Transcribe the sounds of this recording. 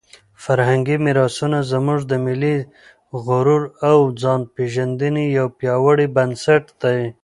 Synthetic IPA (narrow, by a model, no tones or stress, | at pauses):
faɾhaŋɡimiɾɑsunazəmuʐd̪əmɪli | ɣʊɾuɾawd͡zɑnpeʒand̪ənijawpjɑwəɽibansaʈd̪aj